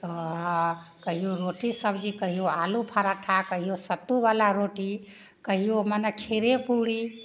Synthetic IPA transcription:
kəɦijoɾoʈisəbd͡ʒikəɦijoalupʰaɾaʈʰakəɦijosət̪ːubalaɾoʈi | kəɦijomanekʰeɾepuɽi

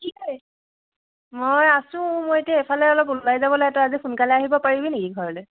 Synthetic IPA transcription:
kiɦɔj | mojasʊ̃mojetiaɛpʰalɛalɔkulajzabɔlɔɛtɔazipʰunkalɛaɦibɔpaɹibinekiɡʱɔɹɔlɛ

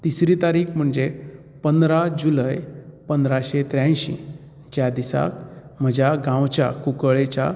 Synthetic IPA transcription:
t̪isɾiːt̪aɾiːkm̤əɳd͡ze | pənd̪ɾad͡ʑuləjpənd̪ɾaɕet̪ɾjãj̃ɕḭ̃ | d͡ʑjad̪isa̰k̚m̤əd͡ʑaɡãwt͡ɕja̰kukəɭet͡ɕa

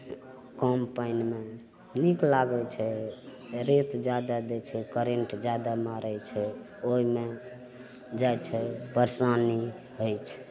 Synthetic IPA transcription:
kɔmpajnme | niklaɡɛt͡ʃʰɛ | ɾet̪d͡ʒad̪ad̪et͡ʃʰɛkəɾeɳʈd͡ʒad̪amaɾɛt͡ʃʰɛ | oɦime | d͡ʒajt͡ʃʰɛpəɾsani | ɦojt͡ʃʰɛ̥

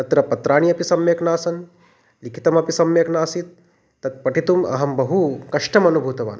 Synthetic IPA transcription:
ɐt̪ɾɐpɐt̪ɾaːɳ̃iɐpisɐmjeknaːsɐn | likʰi̥t̪ɐmɐpisɐmjɐknaːsit̪̚ː | ɐt̪̚pɐʈit̪umɐ̰ɦɐmbɐɦukɐʂʈɐmɐnubʱuːt̪ɐʋa̰ːn

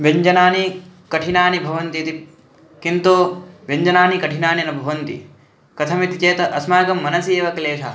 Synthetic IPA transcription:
ʋɐɲd͡ʒɐnaːnikɐʈʰinaːnibʱɐʋɐnt̪iɐt̪i | kint̪oːʋɐɲd͡ʒɐnaːnikɐʈʰinaːninɐbʱɐʋɐnt̪ḭ | kɐt̪ʰɐmit̪it͡ʃeːt̪ɐʔɐsmaːɡɐmːɐnɐsiːʋɐkleːʃɐ̰

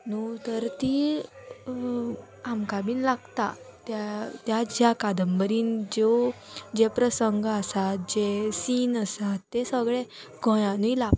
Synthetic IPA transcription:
nut̪əɾt̪iː | amkabiːnlaɡt̪a̰t̪jat̪jad͡ʑjakad̪əmbəɾiːnd͡ʑod͡ʑepɾəsəŋɡəsat̪̚d͡ʑesinəsat̪ːesəɡɭe | ɡʱɔ̃jãnujlap

